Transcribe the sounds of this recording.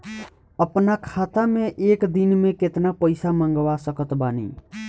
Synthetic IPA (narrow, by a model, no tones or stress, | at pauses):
əpnakʰat̪amẽʔeːkd̪inmẽket̪napəɪsamə̃ŋɡʋasəkət̪baːnḭ